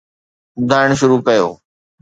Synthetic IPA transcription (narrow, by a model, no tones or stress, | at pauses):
ʊd̪ʱaːɪɽ̃ʃʊɾuːkɐjo̰ː